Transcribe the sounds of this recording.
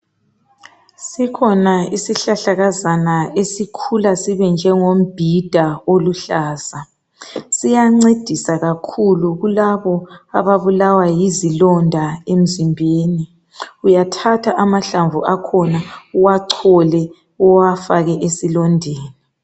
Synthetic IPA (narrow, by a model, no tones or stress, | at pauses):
sikʰɔnaisiɬaɬaɣazanaesikʰulasiβɛnd͡ʒʱɛŋom̩b̥ʱid̥ʱaoluɬaːsa | sijaŋ͡ǀed̥ʱisaɣakʰuluɣulaβɔa̰βaβulawajizilɔndʱaem̩zimbʱeːni | ujatʰatʰaʔamaɬaɱvuʔakʰɔnauwaǀʰɔlɛ | uwafaɣɛʔesilɔndʱeːni